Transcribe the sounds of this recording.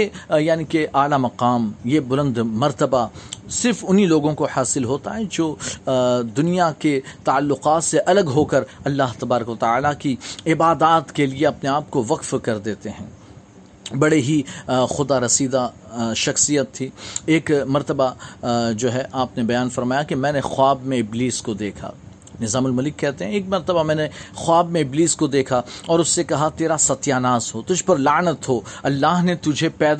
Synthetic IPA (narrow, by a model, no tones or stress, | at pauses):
jejaːnikeʔaːlamɐqaːmjebʊlə̃nd̪mɐɾt̪əbasɪɾfʊnɦiloːɡõkohaːsɪlɦoːt̪aɦɛd͡ʒoː | d̪ʊnijaket̪ɐːlːʊqaːt̪seʔɐləɡɦoːkɐɾɐlːaːɦt̪ɐbaːɾəkʋɐt̪aaːlakiɪbaːd̪aːt̪kelieɐpneaːp̚koʋɐqfkɐɾd̪eːt̪eɦɛ̃ː | bɐɽeɦixʊd̪aɾɐsiːd̪a | ʃɐxsijət̪ʰːiːeːkmɐɾt̪əbad͡ʒoːɦɛʔaːpnebɐjaːnfɐɾmaːjakemɛ̃ːnexʊaːbmẽɪbliːskod̪eːkʰa̰ | nɪzaːmʊlmɐlɪkːɛɦt̪eɦɛ̃eːk̚mɐɾt̪əbamɛ̃ːnexʊaːbmẽɪbliːskod̪eːkʰaɔːɾʊsːekɐɦat̪eːɾasɐt̪jaːnaːzɦot̪ʊd͡ʒʱpɐɾlaːnət̪ɦoːɐlːaːɦnet̪ʊd͡ʒʱepɛːd̪